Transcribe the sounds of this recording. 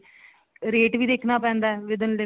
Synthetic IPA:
ɾeːʈʋiːd̪eːkʰnaːpɛ̃ːnd̪aɛʋɪd̪ənle

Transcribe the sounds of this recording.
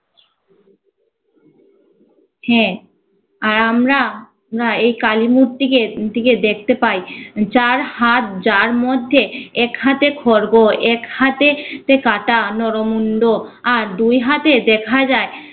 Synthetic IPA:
hɛ̃ | aɾamɾa | mɾaejkalimuɾt̪iked̪iked̪ek̚ʰt̪epajt͡ɕaɾhat̪d͡ʑaɾmod̪ʱːeɛkhat̪ekʰɔɾɡoɛkhat̪et̪ekaʈanɔɾomunɖoaɾd̪ujɦat̪ed̪ɛkʰad͡ʑae

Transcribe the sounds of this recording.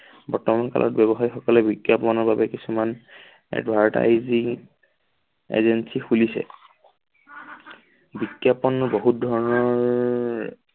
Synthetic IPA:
bɔɹtɔmanka̰lʔɔ̰tbɛbɔɦajxɔkɔlɛbikjapɔnɔɹbabɛkisuman | ɛ̰dbʱaɹta̰jzi | ḛzensixulisɛ̰ | bikjapɔnːʊboɦut̚dʱɔɹɔnɔɹ

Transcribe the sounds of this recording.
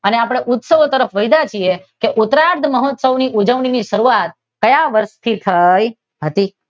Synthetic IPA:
əneapəɽ̃eʔʊt̪səʋt̪əɾəfʋəjd̪at͡ʃʰiekeʔʊt̪ɾaɾd̪ʱməɦot̪səʋniʔud͡ʒəʋɳiniʃəɾuʋat̪̚ | kəjaʋəɾʃt̪ʰit̪ʰəj | ɦət̪i

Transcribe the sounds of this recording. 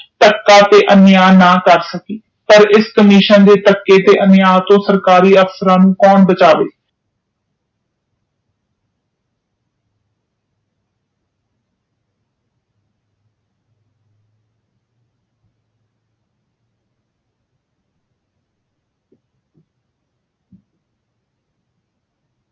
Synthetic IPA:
ʈ̪əkːaːt̪eːʔənjaːnãːkəɾsəkiː | pəɾɪskəmiːʃənd̪eːt̪əkːeːt̪eːʔənjaːt̪õːsəɾkaːɾiːəfsəɾãːnũːkɔːnbət͡ʃaːʋḛː

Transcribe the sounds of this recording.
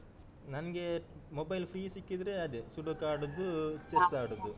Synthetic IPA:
nɐnɐɡe̞mobɐjlpʰɾiːsikːid̪ɐɾe̞ɐd̪esuɖukaːɽud̪ːut͡ʃesaːɽud̪ːu

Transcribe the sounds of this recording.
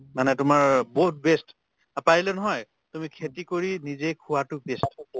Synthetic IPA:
manɛtʊmaɹboɦt̚best | apaɹilɛnɔɦɔj | tumikʰetikoɹinizejkʰʊwatʊbest

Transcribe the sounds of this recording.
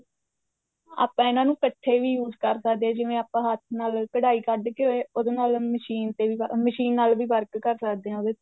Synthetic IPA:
a̰ːpãːɪnãːnũːkəʈʰːeːʋiːjuːzkəɾsəkd̪eːãːd͡ʒɪʋẽːaːpãːɦət̪ʰnaːlkəɽaːiːkəɖkeoeːod̪eːnaːlməʃiːnt̪eːʋiːməʃiːnːaːlʋiːbəɾkkəɾsəkd̪eːɦãːd̪eː

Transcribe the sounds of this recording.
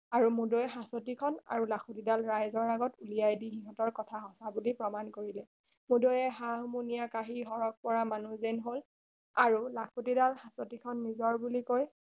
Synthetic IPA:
aɹumudojɛɦãsotikʰɔna̰ɹulakʰutidalɹajzɔɹaɡɔtulijajdixiɦɔ̃tɔɹkɔtʰaɦɔsabulipɹɔmankoɹilɛ | mudojɛɦaɦmunijakaɦiɦɔɹɔk̚pɔɹamanuzenɦol | aɹulakʰutidalhasotikʰɔnːizɔɹbulikoj

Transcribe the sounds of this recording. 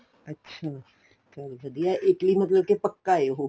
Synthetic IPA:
ɐtːʃʰa | kaʋɐd̪ijaʔeːklimɐt̪ləb̚kepɐkːaeɦo

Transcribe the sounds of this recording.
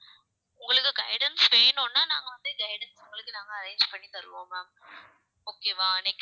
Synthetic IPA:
ʊŋɡɐɭɯkːɯɡɐɪɽɐnsʋeːnoːnːaːnaːŋɡɐʋɐnd̪ɯɡɐɪɽɐnsʊŋɡɐɭɯkːɯnaːŋɡɐːɾẽɪnd͡ʒpɐɳːisɐlːɯʋõːmam | oːkeːʋaːɐnekː

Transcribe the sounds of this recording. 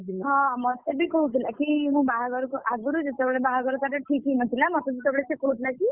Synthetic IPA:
ɦʌ̃mʌst̪ebikout̪ilakiɦũbaɦaɡʌɾukoʔaɡ̚buɾud͡zut̪ɔbɭebaɦaɡʌɾukaʈɔʈʰikimʌt̪ʰilamʌt̪ɔsit̪ɔbɽesekoɦut̪ʰilaki

